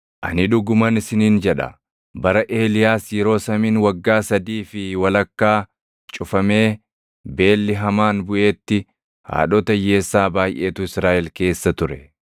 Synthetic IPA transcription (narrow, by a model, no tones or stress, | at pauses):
ʔɐnɪᶑʊɡʊmɐnɪsɪniːnd͡ʒɛᶑɐ̰ | bɐɾɐʔe̞ːlɪjaːsjɛɾo̞ːsɐmiːnwɐɡːaːsɐd̪iːfɪwɐlɐkːaː | t͡ʃʼʊfɐme̞ː | be̞ːlːɪɦɐmaːnbʊʔe̞ːt̪ːɪ | ha̰ːɗoːt̪ɐje̞ːsːaːbaːjʔe̞ːt̪ʊɪsɾaːʔɛlke̞ːsːɐt̪ʊɾɛ